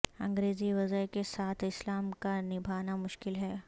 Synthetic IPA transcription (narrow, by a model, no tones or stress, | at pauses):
ɐ̃ŋɡɾeːziʋɐzəɦkesaːt̪ʰɪslaːmkanɪbʱaːnamʊʃkɪlɦɛː